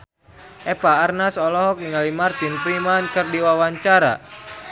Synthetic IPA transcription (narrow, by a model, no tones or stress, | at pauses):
ʔɛpaːrnasɔlɔɦɔk̚niŋalimart̪inpɾimankɨrdiwawaɲt͡ʃaɾa̰